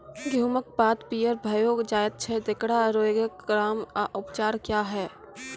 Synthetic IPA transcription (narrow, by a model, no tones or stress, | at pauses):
ɡʱjuːmək̚baːt̪piːəɾbʱəjoːɡd͡ʒaːjət̪̚t͡ʃʰɛd̪ɪkɽaɾoːɡəkɡɾaːmaʔʊpt͡ʃaːɾkjaːɦɛː